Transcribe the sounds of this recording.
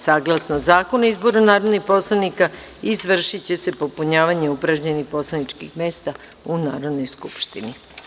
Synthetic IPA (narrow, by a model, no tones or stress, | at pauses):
saːɡlasnozaːkonizboɾonaːɾod̪nixpo̞slˠanika | izʋr̩ʃit͡ɕe̞se̞po̞puɲaːʋaɲe̞upɾaʒɲenixpo̞slˠanit͡ʃkixme̞ːst̪a | una̰ːɾo̞d̪no̞jskupʃt̪ini